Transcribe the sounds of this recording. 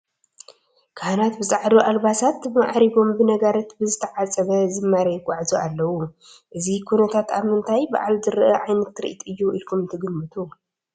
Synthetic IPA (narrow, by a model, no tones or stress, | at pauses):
kʰanat̪bɨsʼaʕd̪uʔalbasat̪bɨmaʕɾiβo̞mbɨnɐɡɐɾɐt̪bɨzɨt̪ʰɐʕat͡sʼɐβɐzɨmːaɾɐɡʷʼaʕzuʔalːɐwu | ʔɨzikʰunɐt̪ʰat̪aβmɨnt̪ʰajba̰ʕalzɨɾʔɐʕajnɐt̪ːɾɨ̰ʔit̪ɨjːuilkʰumɨnt̪ʰɐɡɨmːɨt̪ʰu